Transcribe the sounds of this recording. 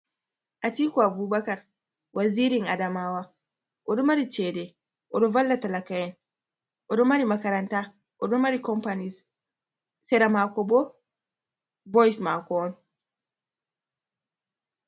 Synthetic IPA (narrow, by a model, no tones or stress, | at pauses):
ʔatiːkɔabuːbakaɾ | wʔaziːɾiŋadamawa | ʔɔdɔmaɾit͡ʃɛːdɛ | ʔɔdɔvalːatalakajɛn | ʔɔdɔmaɾimakaɾanta | ʔɔdɔmaɾikɔmpanis | sɛɾamakɔbɔ | bɔjismakɔɔn